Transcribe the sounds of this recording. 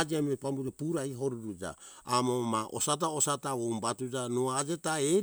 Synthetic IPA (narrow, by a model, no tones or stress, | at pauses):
d͡ʒiamepambud͡ʒapuɾajɦoɾuɾud͡ʒa̰ːmomaʔo̰sat̬aosataombatud͡ʒanoad͡ʒe̞tae